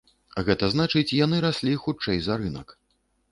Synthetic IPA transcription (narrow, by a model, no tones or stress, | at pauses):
ɣɛt̪ɐznat͡ʂɨt͡sʲjanɨɾasʲlʲixut͡ʂɛjzaɾɨnɐ̰k